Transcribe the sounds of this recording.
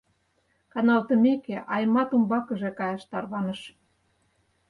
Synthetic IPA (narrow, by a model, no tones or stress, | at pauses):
kɑnɑlt̪ə̆mekeʔɑjmɑt̪umbɑkə̆ʒekɑjɑʃt̪ɑrβɑnəʃ